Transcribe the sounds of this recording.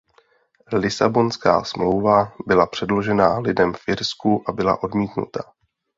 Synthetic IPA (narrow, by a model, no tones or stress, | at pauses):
lɪsabo̞nska̰ːsmlo̞wvabɪlapr̥ɛdlo̞ʒɛnaːlɪdɛmfʔɪɾskuʔabɪla̰ʔo̞dmiːt̪nṵt̪a